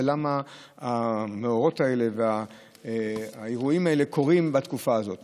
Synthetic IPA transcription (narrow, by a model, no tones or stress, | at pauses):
lama | ameo̞ʁo̞tae̞le̞vea | aeʁuimae̞le̞ko̞ʁimbat̪kufaːzo̞t̪